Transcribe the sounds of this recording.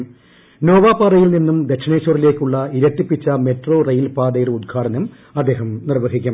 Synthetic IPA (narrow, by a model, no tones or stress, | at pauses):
no̞ːʋaːpaːrɐjilninːumd̪ekʂɐɳeːɕorile̞ːkʲːuɭːɐiɾɐʈːipːit͡ɕːɐmeʈroːrɐjlpaːd̪ɐjirud̪̚ɡʰʱaːɽɐnɐm | ɐd̪ːe̞ːɦɐmnirʋɐɡikʲːum